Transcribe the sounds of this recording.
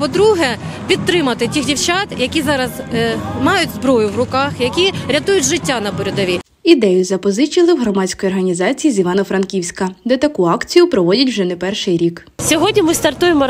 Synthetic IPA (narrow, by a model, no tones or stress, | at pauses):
pɔd̪ɾuɦɛpʲid̪t̪ːɾɪmɐt̪ɪtʲixdʲiwt͡ʃat̪jɐkʲizɑɾɐzmɑjʊdʲzbɾɔjʊwʋrʊkɑxjɐkʲiɾʲɐt̪ujʊtʲʒɪtʲːanɐbɔɾʲɔd̪ɔʋʲi | id̪ɛjʊzɐpɔzɪt͡ʃilˠɪwɦɾɔmɑt͡sʲkɔjɔrɦɐnʲizɑt͡sʲijizʲiʋɑnɔfɾɐnkʲiwsʲkɐd̪ɛt̪ɐkuɑkt͡sʲijʊpɾɔʋɔdʲɐtʲwʒɛnɛpɛrʃɪjɾʲik | sʲɔɦɔdʲnʲimɪst̪ɐrt̪ujemɔ